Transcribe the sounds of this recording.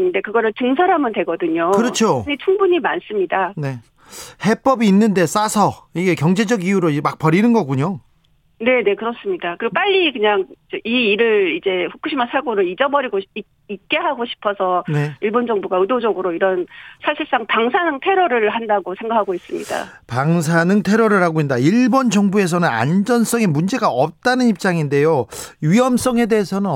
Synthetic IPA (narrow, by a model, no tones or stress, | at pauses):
de̞kɯɡʌɾɯɭt͡ɕɯŋsʰʌɾɦamɯndwe̞ɡʌdɯɲoɯɾʌt͡ɕʰoɲit͡ɕʰuŋbuɲimans͈ɯmɲidane̞ | he̞p͈ʌbiːnːɯnde̞s͈asʰʌiɡe̞kjʌŋd͡ʑe̞d͡ʑʌɡijuɾomak̚pʌɾinɯnɡʌɡuɲo | ne̞ne̞kɯɾʌs͈ɯmɲidakɯɾiɡop͈aʎːikɯɲaŋt͡ɕʌʔiːɾɯɭid͡ʑe̞ɸukʰɯɕʰimasʰaɭɡoɾɯid͡ʑʌbʌɾiɡoi | ik̚k͈e̞ɦaɡoɕʰi̥pʰʌsʰʌne̞iɭbond͡ʑʌŋbuɡaɯdod͡ʑʌɡɯɾoiɾʌnsʰaɕʰiɭs͈aŋtaŋsʰanɯŋtʰe̞ɾʌɾɯɭɦandaɡosʰe̞ŋɡakʰaɡois͈ɯmɲḭda̰paŋs̬ʰanɯŋtʰe̞ɾʌɾɯɭɦaɡoɦindaiɭbʌnd͡ʑʌŋbue̞s̬ʰʌnɯna̰nd͡ʑʌns͈ʌŋe̞mund͡ʑe̞ɡaʌp̚t͈anɯnip̚t͡ɕ͈aŋinde̞joɥiʌms͈ʌŋe̞de̞ːsʰʌnɯn